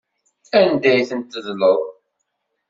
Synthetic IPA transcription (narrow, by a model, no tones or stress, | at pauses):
ænd̪æjθənt̪ːəðləðˤ